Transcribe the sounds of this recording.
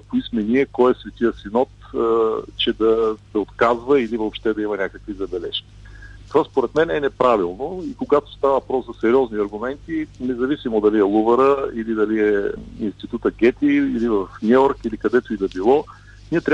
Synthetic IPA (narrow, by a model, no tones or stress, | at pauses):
poiskmɛniɛkɔjɛsvɛt̪iəsinɔt̪ | t͡ʃɛd̪ɐd̪ɐot̪kazvɐilivopʃt̪ɛd̪ɐimɐnʲakəkvizɐbɛlɛʃkʲi̥t̪ovaspoɾɛt̪mɛnɛnɛpɾavilˠnoikoɡat̪o̥st̪avɐvɐpɾɔszɐsɛɾiɔzniɐɾɡʊmɛnt̪inɛzɐvisimod̪ɐliɛlˠuvəɾəilid̪ɐliɛḭnst̪it̪ut̪əɡʲɛt̪iːlivəfnʲuɔɾkilikɐd̪ɛt̪oid̪ɐbilˠɔ | niɛt̪ɾʲa